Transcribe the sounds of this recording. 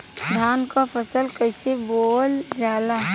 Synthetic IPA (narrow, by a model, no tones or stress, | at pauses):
d̪ʱaːnkapʰəsəlkəɪseboːld͡ʒaːla